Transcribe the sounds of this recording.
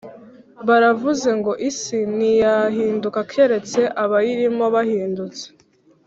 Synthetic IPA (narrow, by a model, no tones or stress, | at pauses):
βaɾavuze̞ŋɡo̞ʔisinijaɦiːndukakʰe̞ɾe̞t͡se̞ʔaβajiɾimo̞βahiːndut͡se̥